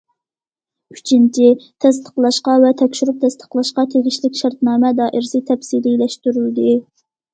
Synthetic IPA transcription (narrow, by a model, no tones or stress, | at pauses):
y̥t͡ʃʰint͡ʃʰit̪ʰɛst̪ʰə̥qlˠɑʃqɑvɛt̪ʰɛkʲʃyɾup̚t̪ʰɛst̪ʰə̥qlˠɑʃqɑt̪ʰeʁʲɪʃlɪkʲʃɑɾt̪nɑːmɛd̪ɑːʔɪɾsɨt̪ʰɛpsililɛʃt̪yɾyld̪ɪ